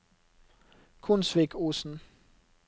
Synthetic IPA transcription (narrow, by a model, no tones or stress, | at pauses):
kʰunsʋeɡ̥ʰosn̩